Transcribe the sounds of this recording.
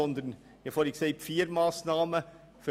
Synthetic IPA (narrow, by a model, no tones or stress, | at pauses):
ɔnd̪ɾən | jæfoːɾɪksæɪpfiːɾmɑːsnɑːmə | f